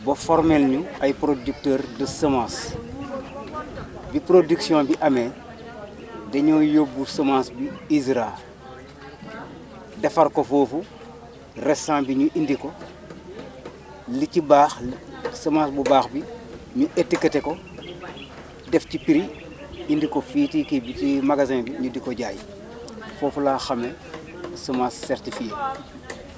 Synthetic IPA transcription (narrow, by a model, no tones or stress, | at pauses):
bɔfɔrmɛlɲuɐjpɾodik̚təːrdɐsəmãːs | bipɾodiksiɔ̃ːbiʔɐmɛ | dɛɲɔːjobːusəmãːsbiizɾa | dɛfɐrkɔfoːfu | rɛsãːbiɲuʔindikɔ | licibaːxsomaːsbubaːxbiɲuʔetːiketeko | dɛfcipiɾi | indikofiːtikibitimaɡazenɡiɲudikoɟaːj | foːfulaxɐme | somãːsːeɾtifie